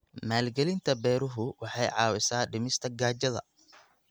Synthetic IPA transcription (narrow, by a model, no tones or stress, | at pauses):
maːlɡɛlɪnt̪ʰɐbɛːɾʊɦʊwɑħɑjʕɑːwɪsaːɖɪmɪst̪ʰɐɡaːt͡ʃɐðɐ̰